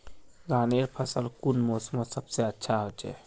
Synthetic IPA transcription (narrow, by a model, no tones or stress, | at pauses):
ɡaːneɾpʰəsəlkunmosmosəbseətːʃʰaɦot͡ʃʰɛ̰